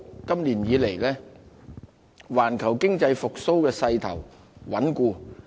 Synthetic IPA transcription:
kɐ˥mliː˨˩njiː˨˧le˨˩jlɛː˥ | waː˨˩nkʰɐ˨˩wkɪ˥ŋt͡sɐ˧jfʊ˨k̚so˥wkɛː˧sɐ˧jt̪ʰɐ̰˨˩w | wɐ˨˥nkuː˧

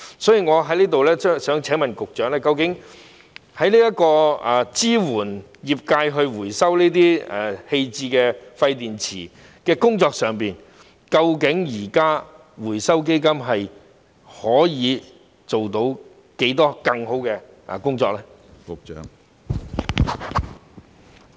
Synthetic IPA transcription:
sɔː˨˥jiː˨˩ŋɔː˨˧ɦɐ˨˥jliː˥t̪o˨wlɛː˥t͡ʃːsœː˨˥ŋt͡sʰɛː˨˥ŋmɐ˨˩nkʊ˨k̚t͡ʃœː˨˥ŋlɛː˥kɐ˧wkɪ˨˥ŋ | hɐ˨˥jliː˥jɐ˥t̚kɔː˧a˨˩t͡siː˥wuː˨˩njiː˨˩p̚kaː˧jɦɵ˧ɥwuː˨˩jsɐ˥wliː˥t̪̬iː˥ɛ˨˩he˧jt͡siː˧kɛː˧fɐ˧jt̪iː˨nt͡sʰiː˨˩ | kɛː˧kʊ˥ŋt͡sɔː˧k̚sœː˨˩ŋpiː˨n | kɐ˧wkɪ˨˥ŋjiː˨˩kaː˥ | wuː˨˩jsɐ˥wk̬e˥jkɐ˥mɦɐ˨j | hɔː˨˥jiː˨˧ | t͡so˨wt̪o˨˧˥w | ke˨˥jt̪ɔː˥kɐ˧ŋho˨˥wkɛː˧ | ʔa̰˨˩kʊ˥ŋt͡sɔː˧k̚lɛː˥kkːŋ

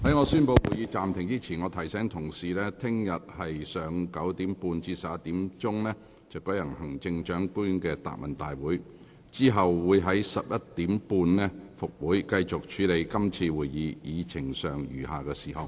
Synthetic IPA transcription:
hɐ˨˥jŋɔː˨˧syː˥npo˧wwuː˨˩jiː˨˧t͡saː˨mt̪ʰɪ˨˩ŋt͡siː˥t͡sʰiː˨˩nŋɔː˨˧t̪ʰɐ˨˩jsɛː˨˥ŋt̪ʰʊ˨˩ŋsiː˨lɛː˥t̪ʰɪ˥ŋjɐ˨t̚hɐ˨jsœː˨˧ŋkɐ˨˥wt̪iː˨˥mpuː˧nt͡siː˧sɐ˨p̚jɐ˥t̪iː˨˥mt͡sʊ˥ŋnɛː˥ | t͡sɐ˨˩wkɔ˨˥jɐ˨˩ŋhɐ˨˩ŋt͡sɪ˧ŋt͡ʃœː˨˥ŋkuː˥nkɛː˧t̪a̰ː˨k̚mɐ˨˩nt̪a̰ː˨jwuː˨˥j | t͡siː˥ɦɐ˨wwuː˨˧jɦɐ˨˥jsɐ˨p̚jɐ˥t̚t̪iː˨˥mpuː˧nnɛː˥fʊ˨k̚wuː˨˥jkɐ˧jt͡sʊ˨k̚t͡ʃʰyː˨˧˥le˧jkɐ˥mt͡sʰiː˧wuː˨˩jjiː˨˧jʔiː˨˧t͡sʰɪ˨˩ŋsœː˨ŋjyː˨˩ɦaː˨kɛː˧siː˨˩hɐ˨w

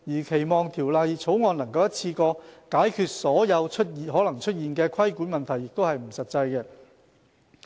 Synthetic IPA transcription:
jiː˨˩kʰe˨˩jmɔː˨˩ŋt̪ʰiː˨˩wlaː˨jt͡sʰo˨˥wŋɔː˧nɐ˨˩ŋkɐ˧wjɐ˥t̚t͡sʰiː˧kɔː˧kaː˨˥jkʰyː˨˧t̚sɔː˨˥jɐ˨˧wt͡ʃʰɵ˥t̚i˨ɦɔː˨˥lɐ˨˩ŋt͡ʃʰɵ˥t̚jiː˨˩nkɛː˧kʰɐ˥jkuː˨˥nmɐ˨nt̪ʰɐ˨˩jːɪ˨k̚t̪o˥whɐ˨jm̩˨˩sɐ˨t̚t͡sɐ˧jkɛː˧

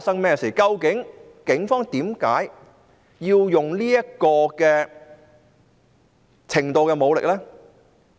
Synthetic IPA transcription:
a˧t̚sɐ˥ŋmɛː˥siː˨˩kɐ˧wkɪ˨˥ŋ | kɪ˨˥ŋfɔː˥ŋt̪iː˨˥mkaː˨˥j | jiː˧wjʊ˨˩ŋliː˥jɐ˥kɔː˧kɛː˧ | t͡sʰɪ˨˩ŋt̪o˧wkɛ˧mo˨˧wlɪ̰˨k̚lɛː˥

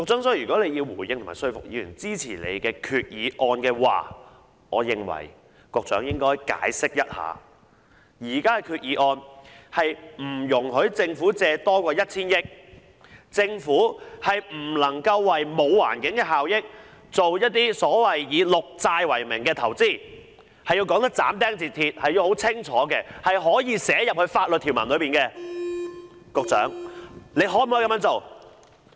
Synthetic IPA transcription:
kɔ˧k̚t͡sœː˨˥ŋsɔ˧˥˨yː˨kɔ˨˥le˨˧ji˧wwuː˨˩jjɪ˧ŋt̪ʰm̰ːaː˨˩sɵ˥ɥfʊ̰˨k̚jiː˨˧jy̰ː˨˩nt͡siː˥t͡sʰiː˨˩lḛ˨˧jkɛː˧kʰyː˧t̚jiː˨˧ʔɔː˧nkɛː˧wa̰ː˨ | ŋɔ̰ː˨˧jɪ˨˧ŋwɐ̰˨˩j | kɔː˧k̚t͡sœː˨˥ŋjɪ˥ŋkɔː˥jka̰ː˨˥jsɪ˥k̚jɐ˥t̚ha̰ː˨˥ | jiː˨˩kaː˥kɛ˧kʰyː˧t̚jiː˨˥ʔɔː˧nhɐ˨jm̩˨˩jʊ˨˩ŋɦɵ˨˥ɥt͡sɪ˧ŋfuː˨˥t͡sɛː˧t̪ɔː˥kʷɔː˧jɐ˥t̚t͡sʰiː˥njɪ˥k̚ | t͡sɪ˧ŋfuː˨˥hɐ˨jm̩˨˩lɐ˨˩ŋkɐ˧wːɐ˨jmo˨˧wwa̰ː˨˩nkɪ˨˥ŋkɛː˧ɦaː˨wjɪ˥k̚ | t͡so˨wjɐ˥t̚t̪iː˥sɔː˨˥wɐ˨jːiː˨˧lʊ˨k̚t͡saː˧jwɐ˨˩jmɪ̰˨˩ŋkɛː˧t̪ʰɐ˨˩wt͡siː˥˩ | hɐ˨jːiː˧wkɔː˨˥ŋt̪ɐ˥k̚t͡sa̰ː˨˥mt̪ɛː˥ŋt͡siː˨˩t̪ʰiː˧t̚hɐ˨ji˧who˨˥wt͡sʰɪ˥ŋt͡sʰɔː˨˥kɛ˧hɐ˨jɦɔː˨˥jiː˨˧sɛː˨˥jɐ˨p̚hɵ˧ɥfaː˧t̚lɵ˨t̚t̪ʰi˨˩wmɐ̰˨˩nlɵ˨˧ɥpiː˨nkɛː˧ | kɔ˧k̚t͡sœ̰ː˨˥ŋle˨˧jɦoː˨˥m̩˨hɔ˨˥kɐ˧˥mjɐ˥t͡so˨˩w

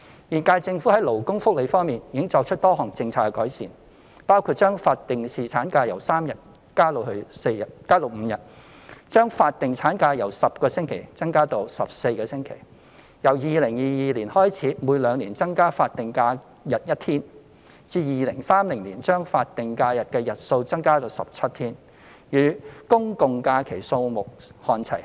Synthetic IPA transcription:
jiː˨˩nkaː˧jt͡sɪ˧ŋfuː˨˥hɐ˨˥jlo˨˩wkʊ˥ŋfʊ˥k̚le˨˧jfɔː˥ŋmiː˨njiː˨˦ɪ˥ŋt͡sɔː˧k̚t͡ʃʰt̚t̪ɔː˥ɦɔː˨˩ŋt͡sɪ˧ŋt͡sʰaː˧kːɛ˧kɔː˨˥jsiː˨˩n | paː˥wkʰu˧t̚t͡ʃœː˥ŋfaː˧t̚t̪ɪ˨ŋsiː˨t͡sʰaː˨˥nkaː˧jɐ˨˩wsaː˥mjɐ˨t̚ | kaː˥lo˨˧whɵ˧ɥse˧ɐ˨t̚kaː˥lo˨wm̩˨˧˦jɐ˨t̚ | t͡ʃœː˥ŋfaː˧t̚t̪ɪ˨ŋt͡sʰaː˨˥nkaː˧jɐ˨˩wsɐ˨p̚kɔː˧sɪ˥ŋkʰe˨˩jt͡sɐ˥ŋkaː˥t̪o˧wsɐ˨p̚se˧jkɛː˧sɪ˥ŋkʰḛ˨˩j | jɐ˨˩wjiː˨˧lɪ˨˩ŋjiː˨˧jiː˨liː˨˩nhɔː˥jt͡sʰiː˨˥muː˨˧jlœː˨˧ŋliː˨˩nt͡sɐ˥ŋkaː˥faː˧t̚t̪ɪ˨ŋkaː˧ | jɐ˨˩t̚jɐ˥t̚t̪ʰiː˥n | t͡siː˧jiː˨lɪ˨˩ŋsaː˥mlɪ˨˩ŋliː˨˩nt͡ʃœː˥ŋfaː˧t̚t̪ɪ˨ŋkaː˧jɐ˨t̚kɛː˧jɐ˨t̚so˧wt͡sɐ˥ŋkaː˥t̪o˧wsɐ˨p̚t͡sʰɐ˥t̚t̪ʰiː˥n | jyː˨˧kʊ˥ŋkʊ˨ŋkaː˧kʰe˨˩jso˧wmʊ˨k̚hɔː˧nt͡sʰɐ̰˨˩j

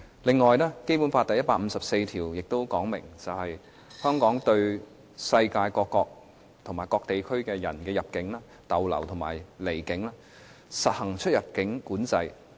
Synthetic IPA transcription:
lɪ˨ŋːɔː˨jnɛː˥ke˥jpu˨˥nfaː˧t̪ɐ˨jːɐ˥t̚paː˧˥m̩˨˧sɐ˨p̚se˧jt̪ʰiː˨˩wjɪ˨k̚t̪o˥wkɔː˨˥ŋmɪ˨˩ŋt͡sɐ˨whɐ˨j | hœː˥ŋkɔː˨˥ŋt̪ɵ˧ɥ | sɐ˧jkaː˧jkɔː˧kːɔː˧k̚ | t̪ʰŋmaː˨˩jkɔː˧k̚t̪e˨jkʰɵ˥ɥkɛː˧jɐ̰˨˩nkɛː˧jɐ˨p̚kɪ˨˥ŋlaː˥ | t̪ɐ˨wlɐ̰˨˩wt̪ʰʊ˨˩ŋma̰ː˨˩jle˨˩jkɪ˨˥ŋlaː˥ | sɐ˨t̚hɐ˨˩ŋt͡ʃʰɵ˥t̚jɐ˨˩p̚kɪ˨˥ŋkuː˨˥nt͡sɐ˧j

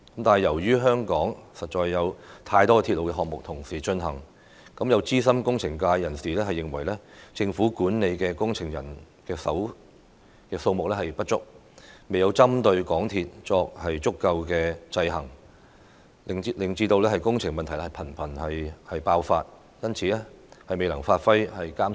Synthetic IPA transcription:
kɐ˦˥mt̪aː˨nɐ˨jɐ˨˩wjyː˥ɦœː˥ŋkɔː˨˥ŋsɐ˨t̚t͡ʃɔː˧jːɐ˨˧wt̪ʰaː˧jt̪ɔː˥t̪ʰiː˧t̚lo˨˧wkɛ˧ɦɔː˨k̚mʊ˨k̚t̪ʰʊ˨˩ŋsiː˨˩t͡ʃɵ˧nɦɐ˨˩ŋ | kɐ˨˥mjɐ˨˧wt͡siː˥sɐ˥mkʊ˥ŋt͡sʰɪ˨˩ŋkaː˧jːɐ˨˩nsiː˨˩lɛː˥ɦɐ˨jːɪ˨ŋwɐ˨˩jlɛː˥t͡sɪ˧ŋfuː˨˥kuː˨˥nne˨˧jkɛː˧kʊ˥ŋt͡sʰɪ˨˩ŋjɐ˨˩n | kɛː˧sɐ˨˥w | kɛː˧so˧wmʊ˨k̚lɛ˥hɐ˨jpɐ˥t̚t͡ʃʊ̰˥k̚ | me˨jɐ˨˧wt͡sɐ˥mt̪ɵ˧ɥkɔː˨˥ŋt̪ʰiː˧t̚t͡sɔː˧k̚hɐ˨jt͡sʊ˥kːɐ˧wkɛː˧t͡sɐ˧jɦɐ˨˩ŋ | ɪ˨lɪ˨˩ŋt͡siː˧t̪o˧wlɛː˥hɐ˨jkʊ˥ŋt͡sʰɪ˨˩ŋmɐ˨nt̪ʰɐ˨˩jlɛ˥ɐ˨˩jpʰɐ˨˩npʰɐ˨˩nhɐ˨jhɐ˨jpaː˧wfaː˧t̚ | jɐ˥nt͡sʰiː˨˧lɛː˥ | hɐ˨jme˨jlɐ˨˩ŋfaː˧t̚fɐ˥jhɐ˨jkaː˥m

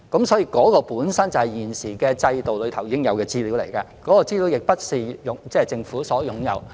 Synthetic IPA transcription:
kɐ˨˥msɔː˨˥jiː˧kɔː˨˥kɔː˧puː˨˥nsɐ˥nt͡sɐ˨whɐ˨jiː˨˩nsiː˨˩kɛː˧t͡sɐ˧jt̪o˨wlɵ˨˧ɥt̪ʰɐ˨˩wjiː˨˦kɪ˥ŋjɐ˨˧wkɛː˧t͡siː˥li˨˥wlḛ˨˩jkaː˧kɔː˨˥kɔː˧t͡siː˥li˨˥wjɪ˨k̚pɐ˥t̚siː˨˩jʊ˨˥ŋt͡sɛː˥t͡sɪ˨ŋfuː˨˥sɔː˨˥jʊ˨˧˥ŋjɐ̰˨˧w

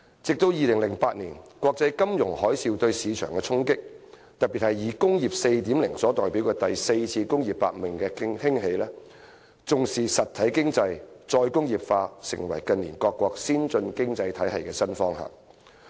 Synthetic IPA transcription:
t͡sɪ˨k̚t̪o˧wjiː˨lɪ˨˩ŋlɪ˨˩ŋpaː˧t̚niː˨˩nkʷɔː˧k̚t͡sɐ˧jkɐ˥mjʊ˨˩ŋhɔː˨˥jsiː˧wt̪ɵ˧ɥsiː˨˧t͡ʃʰœ̰ː˨˩ŋkɛː˧t͡sʰʊ˥ŋkɪ˥k̚ | t̪ɐ˨t̚pːiː˨t̚hɐ˨jːiː˨˧kʊ˥ŋjiː˨p̚se˧jt̪iː˨˥mlɪ˨˩ŋsɔː˨˥t̪ɔː˨˩jpiː˨˥wkɛː˧t̪ɐ˨jse˧jt͡sʰiː˧kʊ˥ŋji˨pːa̰ː˧t̚mɪ˨ŋkɛː˧kɪ˥ŋhɪ˥ŋɦe˨˧jlɛː˥ | t͡sʊ˨ŋsiː˨sɐ˨t̪ʰɐ˨˥jkɪ˥ŋt͡sɐ˧jt͡sɔː˧jkʊ˥ŋjiː˨˩pfaː˧sɪ̰˨˩ŋwɐ̰˨˩jkɐ˨niː˨˩nkɔː˧kːwɔː˧k̚siː˥nt͡ʃɵ˧nkɪ˥ŋt͡sɐ˧jt̪ʰɐ˨˥jɐ˨jkɛː˧sɐ˥nfɔː˥ŋɦa̰ː˨˩ŋ

